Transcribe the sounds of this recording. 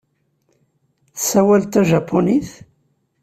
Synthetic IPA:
θsæwælt̪æʒɑpʰːoniθ

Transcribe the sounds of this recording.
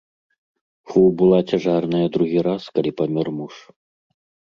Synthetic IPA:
xubɨlˠat͡sʲaʐarnɐjɐd̪ɾuɣʲiɾaskɐlʲipɐmʲɔrmuʂ

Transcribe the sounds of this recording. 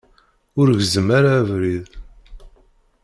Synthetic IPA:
ʊɾʝzəmaɾavɾið

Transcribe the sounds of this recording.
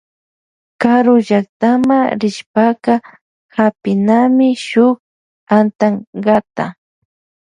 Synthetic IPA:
kaɾʊʒak̚t̪amaɾɪʃpakɑ | hapɪnamɪʃʊk | ant̪aŋɢɑt̪a̰

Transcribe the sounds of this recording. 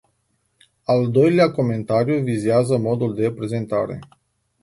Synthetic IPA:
ald̪o̞jleako̞me̞nt̪aɾijuvizeazəmo̞d̪uld̪e̞pɾe̞ze̞nt̪a̰ɾe̞̰

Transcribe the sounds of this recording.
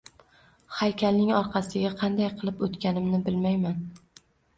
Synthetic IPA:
hajkʲʰalnɪŋɒɾqʰɑsɪɡʲaqʰɑnd̪ajqʰɨlˠɪpot̪kʲʰanɪmnɪbɪlmajman

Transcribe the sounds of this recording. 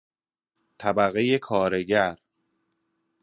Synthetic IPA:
t̪ʰæbæɣejekʰɒːɾe̞ɟæɾ

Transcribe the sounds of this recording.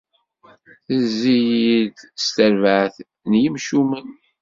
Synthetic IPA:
θəzːijiðst̪əɾvʕθ | njimʃumən

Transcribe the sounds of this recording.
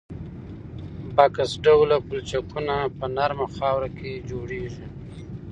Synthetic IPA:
bakasɖawlakult͡ʃakunapənaɾmaxɑwɾakʰed͡ʒoɽeʒi

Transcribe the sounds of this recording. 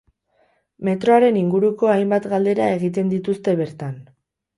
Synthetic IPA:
me̞t̪ɾo̞aɾe̞niŋɡuɾuko̞ajmbat̪ɡald̪e̞ɾae̞ɣit̪e̞nd̪it̪ust̪e̞βe̞ɾt̪an

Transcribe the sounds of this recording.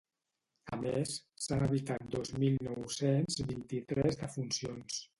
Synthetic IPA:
ə̰mesːanəβit̪at̪̚d̪ɔzmilˠnɔwsenzβint̪it̪ɾɛzðəfunsions

